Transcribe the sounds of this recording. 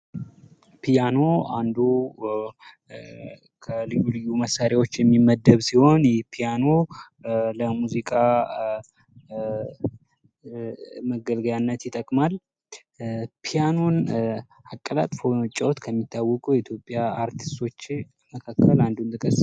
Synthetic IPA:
pʰijano̞and̪u | kʰəlɨjːulɨjːuməsːaɾawo̞t͡ʃːjɛmːimːəd̪ːəβsiho̞njɛhpʰijano̞ | ləmuzikʼa | məɡəlɡəjanːət̪jɪt̪ʼːəkʼmal | pʰijanon | akʼːəlat̪ʼfot͡ʃʼːawot̪kʰəmːit̪ːawːɔkʼujɪt̪jo̞pʼːjaaɾt̪ʰi̥st̪ʰo̞t͡ʃː | məkʰakːəland̪unt̪ʰʼɨkʼəs

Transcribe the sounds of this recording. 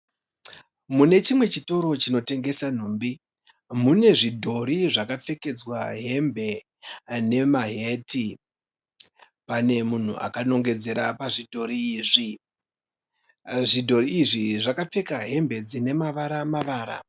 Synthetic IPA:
mune̞t͡ʃimwe̞t͡ʃito̞ɾo̞t͡ʃino̞te̞ŋɡe̞san̤uːmbi | mune̞ʐidʱo̞ɾiʐakap͡fe̞ke̞d͡zwaɦe̞mbe̞ | ne̞maɦeti | pane̞mun̤ṵʔa̰kano̞ŋɡe̞d͡ze̞ɾapaʐidʱo̞ɾiːʐi | ʐidʱo̞ɾiːʐiʐakap͡fe̞kaɦe̞mbe̞d͡zine̞maʋaɾamaʋaːɾa̰

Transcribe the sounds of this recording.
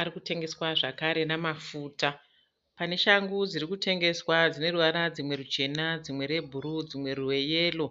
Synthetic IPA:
ɾikute̞ŋɡe̞swaʐakaɾe̞namafuːta | pane̞ʃaŋɡud͡zirikute̞ŋɡe̞swad͡zine̞ruʋaɾad͡zimwe̞ɾut͡ʃe̞nad͡zimwe̞ɾe̞bʱuɾud͡zimwe̞ruwe̞je̞ːlo̞

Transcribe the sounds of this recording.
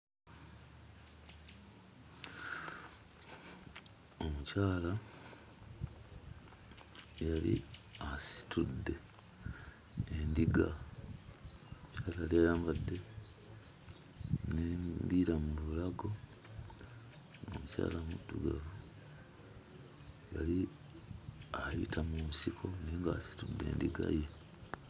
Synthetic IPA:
omucaːla | jalḭasi̥tʰudːe̞ | endiɡa | mucaːlajalijajaːmbadːe̞ | nebiɾamuβulaɡo̞ | o̰muca̰ːlamudːuɡa̰vu | ja̰li | ajḭtʰamumusikʰo̞neːŋɡasi̥tudːe̞̰ːndiɡa̰je

